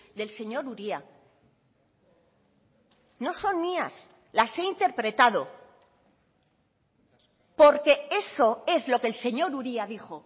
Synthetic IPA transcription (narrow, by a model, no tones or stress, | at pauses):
ðe̞lse̞ɲo̞ɾuɾia | no̞so̞nːias | lase̞int̪e̞ɾpɾe̞t̪að̞o̞ | po̞ɾke̞e̞so̞e̞zlo̞kelse̞ɲo̞ɾuɾiaðixo̞